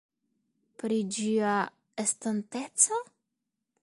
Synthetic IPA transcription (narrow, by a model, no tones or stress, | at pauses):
pɾid͡ʒia | estantet͡so